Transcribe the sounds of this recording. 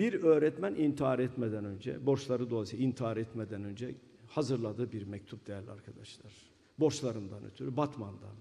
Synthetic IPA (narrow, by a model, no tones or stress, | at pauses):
biɾø̞ːɾɛt̪mænʔint̪ʰiaɾɛt̪mɛd̪ænø̞nd͡ʒɛ̰bo̞ɾʃlˠaɾɯd̪o̞lˠasiint̪ʰiaɾɛt̪mɛd̪ænø̞nd͡ʒɛ | hazɯɾlˠad̪ɯːbiɾmɛc̚t̪ʰup̚d̪̥ejæɾlʲiaɾkʰad̪aʃlˠaɾ̥ | bo̞ɾʃlˠaɾɯnd̪anø̰t̪ʰyɾybat̪mand̪a̰n